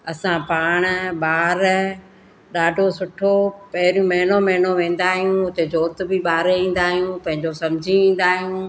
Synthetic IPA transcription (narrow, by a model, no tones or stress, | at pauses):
ɐsãpaːɽ̃ʊ̆ɓaːɾ | ɗaːɖʱosʊʈʰopɐɦɪɾijũmɐɦɪnomɐɦɪnoʋẽːn̆d̪aːɦijũʊt̪ed͡ʑoːɾt̪̆bɪɓaːɾeĩːn̆d̪aːɦijũpɐ̃ɦɪ̃ɲd͡ʑosɐmd͡ʑʱĩĩːn̆d̪aːɦijũ